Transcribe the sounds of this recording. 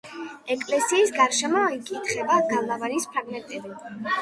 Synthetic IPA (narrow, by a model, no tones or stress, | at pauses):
ɛkʼlɛsiːsɡaɾʃɛmɔikʼit̪ʰχɛbaɡamavanispʰaɡmɛt̪ʼɛbi